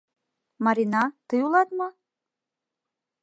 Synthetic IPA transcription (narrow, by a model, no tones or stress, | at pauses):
mɑɾʲinɑt̪əjulɑt̪mɤ̆